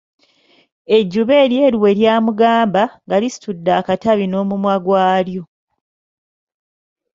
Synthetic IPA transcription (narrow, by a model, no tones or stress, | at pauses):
e̞ɟːuβe̞ːɾje̞ːɾiwe̞ljaːmuɡaːmbaŋɡalisi̥tudːaːkataβino̞ːmumwaɡwaːljo̞